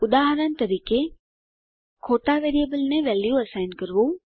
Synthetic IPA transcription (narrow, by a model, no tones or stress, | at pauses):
ʊd̪aːɦɾən̆t̪ɐɾiːke | kʰoːʈaʋeːɾijəbəlnẽʋɛːljuɐsaːɪnkɐɾʋu